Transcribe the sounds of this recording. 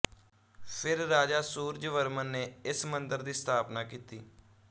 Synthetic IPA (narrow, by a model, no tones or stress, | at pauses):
pʰɪɾːaːd͡ʒaːsuːɾd͡ʒʋəɾmənːeːɪsmənd̪əɾd̪iːst̪ʰaːpnaːkiːt̪iː